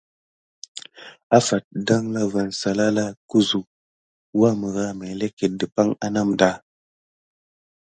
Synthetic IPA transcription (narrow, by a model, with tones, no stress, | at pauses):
a˦fa˨t̚da˦ŋla˦va˨nsa˨la˦la˦ku˦zu˨ | wa˦mə˨ɣa˦me˨le˦ke˨də˨pa˦ŋa˦na˦mda˨